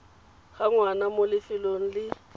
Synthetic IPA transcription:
ɣaŋwanamolɪfɪlon̩lɪ

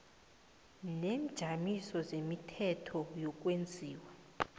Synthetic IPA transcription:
nemd̥ʒ̥ʱamisɔzemitʰɛtʰɔjɔk̬ʼwend͡zʱiːwa

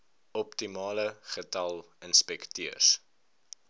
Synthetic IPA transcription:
ɔptimɑːləχətɐlˠənspɛktiər

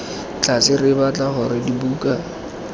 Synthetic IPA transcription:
t͡ɬʰʼat͡sɪrɪbat͡ɬʼaɦʊɾɪdibuːkʼa

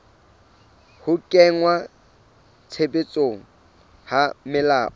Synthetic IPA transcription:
hʊkʼɛŋwa | t͡sʰebet͡sʼoŋ̩ | hamɪlaːʔɔ

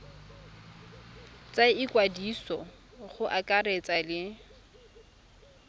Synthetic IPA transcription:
t͡sʼaɪkʼwadisɔ̰ | χʊʔakʼaret͡sʼalɪ

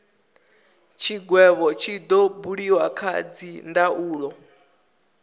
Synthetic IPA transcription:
t͡ʃʰiɡwɛβɔt͡ʃʰid̪ɔbuɺiwakʰa̰d͡zindaʔuːɺɔ

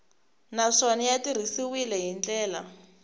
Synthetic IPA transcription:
naʂɔnɛjatir̤isiwilɛɦint͡ɬʼɛːla̰

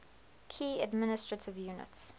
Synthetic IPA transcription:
kʰiːədmɪnɪstɹətʰɪvjuːnɪ̰ts

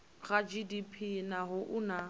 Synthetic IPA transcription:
ɣad͡ʒidipʰinaɦʊʔʊna

